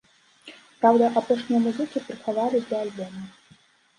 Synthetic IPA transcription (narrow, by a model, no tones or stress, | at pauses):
pɾawd̪ɐʔapɔʂnʲijɐmuzɨkʲipɾɨxavalʲid̪lʲɐːlʲbɔmɐ